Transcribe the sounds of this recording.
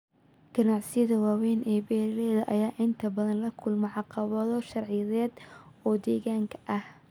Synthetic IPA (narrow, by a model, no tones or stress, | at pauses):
ɡ̥ɐnɑʕsɪjɐðɐwɑːwɛːnʔɛːbɛːɾlɛːðɐʔɐjaːʔɪnt̪ʰɐbɐðɐnlɐkʰʊlmɛʕɑqɑβɐðɔʃɑrʕɪjɐðɛːd̪ɔːd̪ɛːɣaːŋkʰɐ̥ʔɐh